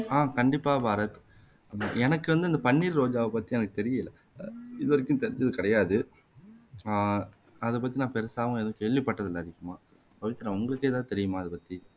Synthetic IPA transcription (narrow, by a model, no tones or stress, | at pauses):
aːkɐɳɖɪpːaːbaːɾɐt̪ː | ɛnɐkːɯʋɐnd̪ɯɪnd̪ɐpɐɳːiːɾɾoːd͡ʒaːʋɐpɐt̪ːiɛnɐkːɯ̥t̪ɛɾɪjɐɪlːɐ | ɪðɯʋɐɾɪkːʊ̃t̪ɛɾɪɲd͡ʒɐðɯkɐɽɐjaːðɯ | ɐðɛpɐt̪ːinãːpɛɾɐsaːʋʊ̃eːðʊ̃keːɭʋipːɐʈːɐðɯlːɐːðɪkːɯmaː | pɐʋɪt̪ːɪnãːʊŋɡɐɭɯkːeːt̪aːt̪ɛɾɪjɯmaːɐðɯpɐt̪ːi